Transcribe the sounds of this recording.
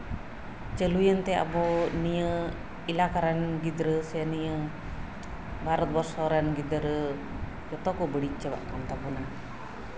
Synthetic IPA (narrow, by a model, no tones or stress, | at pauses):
t͡ʃəlujənt̪ɛa̰bɔnijə | ilakaɾanɡid̪ɾəsɛnijə | bʱaɾɔt̪̚bɔɾsɔɾanɡid̪ɾə | d͡ʒɔt̪ɔkɔbəɽit͡ʃəba̰ʔkant̪apɔna